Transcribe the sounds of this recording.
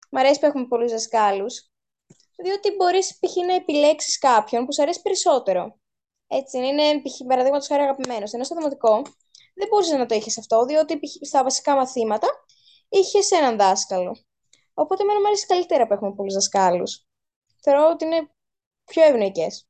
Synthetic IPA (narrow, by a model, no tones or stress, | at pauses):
mɐɾe̞si̥pue̞xume̞po̞luzðɐskɐlus | ðio̞t̪ibo̞ɾispiçinɐepile̞ksi̥skɐpço̞npusɐɾesi̥pe̞ɾiso̞t̪e̞ɾo̞ | e̞t͡sinɐinepiçipɐɾɐðiɣmɐt̪osxɐɾoɐɣɐpime̞nosenosoðimɐt̪iko̞ | ðebo̞ɾiseznɐt̪o̞içesɐft̪o̞ðio̞t̪ist̪ɐvɐsi̥kɐmɐθimɐt̪ɐ | içe̞se̞nɐnðɐskɐlo̞̰ | opo̞t̪eme̞nɐmɐɾesi̥skɐlit̪e̞ɾɐpue̞xume̞po̞luzðɐskɐlṵs | θe̞o̞ɾo̞ot̪iine̞ | pço̞evno̞ices